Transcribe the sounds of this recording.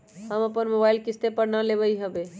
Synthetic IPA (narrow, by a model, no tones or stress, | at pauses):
ɦəməpənmobailkɪst̪epəɾnəleβəiɦəbe